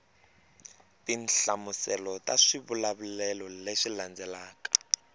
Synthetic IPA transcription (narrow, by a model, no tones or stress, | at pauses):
tinɬamusɛlɔtaʂiβulaβulɛlɔleʂiland͡zɛlaːkḁ